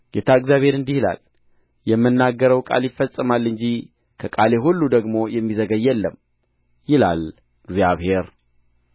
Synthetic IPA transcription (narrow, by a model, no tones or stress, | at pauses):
ɡ̥et̪ʰaɨɡzjaβhe̞ɾɨnd̪ihila̰l | jɛmːɨnːaɡːəɾəwkʼa̰ljɪfːəsʼɨmalːɨɲd͡ʒi | kʰəkʼale̞ɦulːud̪əɡmo̞jɛmːizəɡəjːɛlːəmː | jɪla̰l | ɨɡzjaβhe̞ɾ